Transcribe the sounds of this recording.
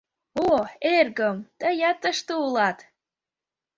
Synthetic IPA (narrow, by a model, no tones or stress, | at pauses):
oerɡəmt̪əjɑt̪əʃt̪ɨulˠɑt̪